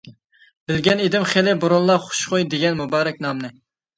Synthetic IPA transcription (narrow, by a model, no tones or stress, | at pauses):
bɪlɡʲɛned̪ɪmχelɪbuɾonlˠɑχʊ̥ʃqojd̪eɡʲɛnmubɑːɾɛk̚ʲnɑmnɨ